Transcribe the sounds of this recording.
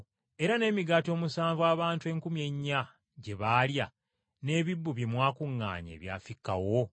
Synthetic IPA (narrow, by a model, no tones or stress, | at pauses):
e̞ɾane̞ːmiɡato̞ːmusaːɱvwaːβaːntwe̞ːŋkumje̞ɲːa | ɟe̞βalja | ne̞ːβibːuβjemwaːkuŋːa̰ːɲḛːβja̰ːfikːa̰wo̞